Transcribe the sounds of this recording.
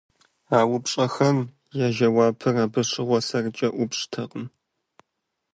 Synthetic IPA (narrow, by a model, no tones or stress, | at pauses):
aːwʊpɕʼɐxɐm | jaːʒɐwaːpʰɨraːbɨɕʼɪʁʷɔsɐrɨt͡ʃʼɐʔʷʊpɕʼtʰɐqʼəm